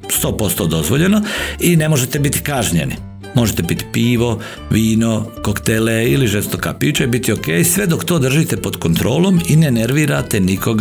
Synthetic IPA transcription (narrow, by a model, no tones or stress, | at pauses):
st̪o̞ːpo̞st̪oːd̪o̞zʋo̞ʎe̞noine̞mo̞ʒet̪ebit̪i̥kaʒɲe̞̰nḭ | mo̞ʒet̪ebit̪i̥piːʋo̞ | ʋiːno̞kokt̪eleiliʒest̪oka̰piːt͡ʃebit̪iokeːjsʋe̞d̪okt̪o̞ːd̪r̩ʒit̪epod̪kont̪ɾo̞ːlˠo̞mine̞neɾʋiːɾat̪eniko̞ɡ